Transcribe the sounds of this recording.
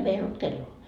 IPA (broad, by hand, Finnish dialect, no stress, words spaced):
meil olt kelːoː